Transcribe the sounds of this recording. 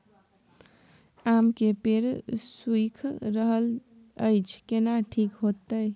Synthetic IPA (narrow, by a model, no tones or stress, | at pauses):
amkepeɾswikʰɾəɦəl | əjt͡ʃʰkenaʈʰikɦot̪əj